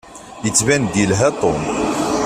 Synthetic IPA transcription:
jət͡sːvænd̪ilɦæt̪ˤom

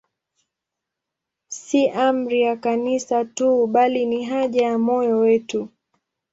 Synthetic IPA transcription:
siʔam̩ɾijakanisatuɓaliniɦaʄajamɔjɔwɛtu

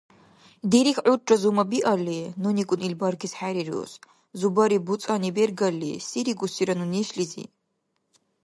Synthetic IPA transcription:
d̪ɛɾixʕut͡ʃʼɔzumabiʔalinunikʼunilbaɾɡisħaɾiɾṵs | zubaɾibusʼanibɛɾɡalːisiɾiɡusiɾanunɛʃlizḭ

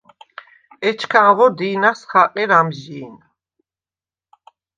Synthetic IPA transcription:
ɛt͡ʃʰkʰaːʁɔd̪iːnasχaqʼiɾamʒiːn

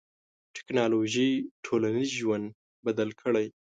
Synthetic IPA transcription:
ʈʰɪ̥knɑloʒiʈʰolanizʒwand̪ | bad̪alkʰəɽaj

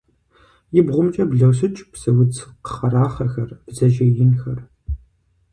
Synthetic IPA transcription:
jɪbʁʷʊmt͡ʃʼɐbɮɐws̬ɨt͡ʃʼpsɐwʊd͡zqə̥χɐɾaːχɐxɐrb̥zɐʒejɪnxɐr

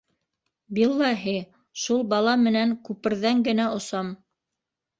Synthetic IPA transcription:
bilˠːɑɦi | ʃulˠbɑlˠɑmɘ̆næŋkʉpɘ̆ɾðæŋɡɘ̆næŏsɑm

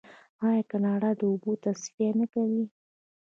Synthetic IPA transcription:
ɑjɑkanɑɽad̪əubot̪asfianakawi

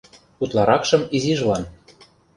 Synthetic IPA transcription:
ut̪lˠɑɾɑkʃɤ̆miziʒlɑn

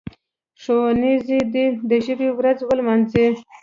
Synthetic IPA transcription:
ʂonizid̪id̪əʒəbewɾazwəlmɑnzi

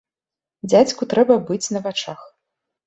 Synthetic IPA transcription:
d͡zʲat͡sʲkut̪ɾɛbɐbɨt͡sʲnɐvat͡ʂax

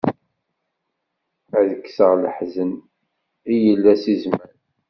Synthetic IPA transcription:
ðəkːsəʁləħzən | ijəlːæsizmæɾ

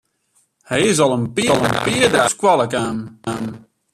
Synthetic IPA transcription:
hɛjɪs̬ɔlˠənpiəlˠənpiədaskwalˠəkaːnan

